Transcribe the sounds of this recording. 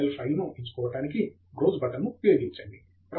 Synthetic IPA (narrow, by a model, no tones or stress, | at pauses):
lpɐjmuʔeɲt͡ʃɐ̥kɔːʋɐʈaːniki | ɡɾoːd͡ʒbɐt̪ɐnːupjoːɡiɲt͡ʃɐɳɖi | pɾɐ